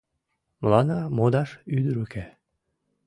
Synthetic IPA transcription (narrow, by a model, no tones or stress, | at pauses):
mlɑnɑmod̪ɑʃyd̪əɾykæ